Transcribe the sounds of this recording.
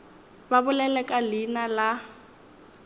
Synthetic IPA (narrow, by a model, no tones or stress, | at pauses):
babʊlɛlɛkʼalinala